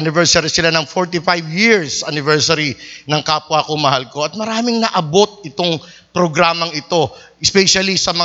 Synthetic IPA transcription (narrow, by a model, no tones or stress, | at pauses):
ʔanɪvɛɹsɐɾisɪlanɐŋfoɹt̪ɪfajbjiɹsʔɐnɪvɛɹsɐɾinɐŋkaːpwakoŋmɐhalko̞ɐt̪̚mɐɾaːmɪŋnɐʔɐbo̞t̪̚ɪt̪o̞ŋ | pɾoɡɾaːmɐŋɪt̪o̞ʔɛspɛʃɐlisɐmɐ